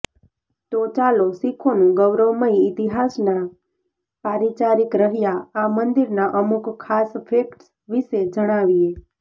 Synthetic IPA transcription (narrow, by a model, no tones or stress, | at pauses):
t̪ot͡ʃalosikʰonũɡəʋɾəwməiɪt̪iɦasna | paɾit͡ʃaɾikɾəɦjaːmənd̪iɾnaʔəmukkʰːaspʰekʈs | ʋiʃed͡ʒəɽ̃aʋie